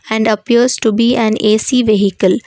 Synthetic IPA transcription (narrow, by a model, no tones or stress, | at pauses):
æ̃ɳɖəpiəɾzʈubiːʔæ̃neːsiːʋeɦikəl